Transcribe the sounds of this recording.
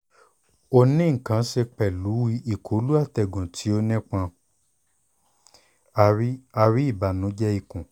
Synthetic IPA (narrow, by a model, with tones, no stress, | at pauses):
o˧nĩ˦ŋ̩˨kã˨˦ʃe˧k͡pɛ˨lu˨˦wi˧˦ʔi˦˨kʰo˨˦lu˦a˦˨tɛ˨ɡũ˨tʰi˨˦o˧nɛ̃˦k͡pã˧ | a˨i˦a˧ɾi˨˦i˦˨ba˨nũ˨˦d͡ʒɛ˦i˧˨kũ˨